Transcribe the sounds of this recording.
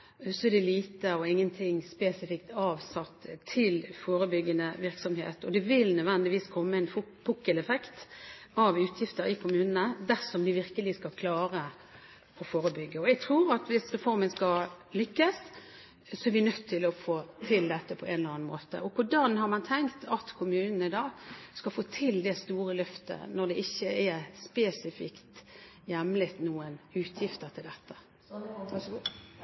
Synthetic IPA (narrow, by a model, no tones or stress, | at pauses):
sɔɛd̪ɛliːt̪əɔɪŋːənt̪ʰɪŋːspeːsɪfɪkt̪ɑːʋsɑt̪ːʰɪlfoːɾəbʏɡːənəʋɪɾksɔmhḛːt̪ɔd̪ɛʋɪlnœd̪ʋɛnd̪ɪʋiːskʰɔmːəɛnfʊpʰʊkːəlɛfɛkt̪ɑʋʉːt̪ʰjɪft̪əɾɪkʰʊmʉːnənəd̪æsɔmd̪ɪʋɪɾkəlɪskɑlkʰlɑːɾə | ɔfoːɾəbʏɡːəɔɛɡ̚t̪ʰɾuːɾɑt̪ʋɪsɾɛfɔɾmənskɑl | lʏkːəs | sɔɛɾʋɪnœt̪ʰːɪlɔfoːt̪ʰɪld̪ɛt̪ːəpʰɔʔɛnlɾɑːnmoːt̪ə̰ʔɔkʰʊɖɑnɦɑɾmɑnt̪ʰɛŋkt̪ʰɑt̪kʰʊmʉːnən̩ɪd̪ɑːskɑlfoːt̪ʰɪld̪ɛst̪uːɾəlœft̪ə̰nɔɾd̪ɛʔɪçːəɛɾspeːsɪfɪ̰kt̪ | jɛmlɪt̪nuːənʉːt̪ʰjɪft̪əʁɾt̪ʰɪld̪ɛt̪ːə